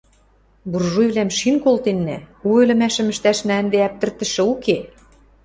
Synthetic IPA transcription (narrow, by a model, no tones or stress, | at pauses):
burʒujβlæmʃinkolt̪enːæ̰uelɘ̆mæʃɘ̆mɘ̆ʃt̪æʃnænd̪eæp̚t̪ɘ̆rt̪ə̆ʃɘ̆uke